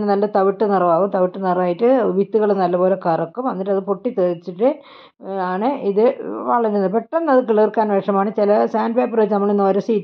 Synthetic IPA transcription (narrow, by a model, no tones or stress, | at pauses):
nnɐlːɐt̪ɐʋiʈːɨnirɐʋaːʋumt̪ɐʋiʈːɨnirɐʋaːjiʈːɨʋit̪ːuɣɐɭenɐlːɐpo̞ːlekɐrɐkːumʋɐnːiʈːɐðɨpoʈːit̪eːðit͡ɕːiʈːɨ | aːɳɨʔiðɨʋɐɭɐɾunːpeʈːɐnːɐðɨkiɭerkːaːnʋɐkʂɐmaːɳɨt͡ɕilɐsaːnɖ̚beːpːreːt͡ɕːɨnɐmːɐɭenːoɾusiːtː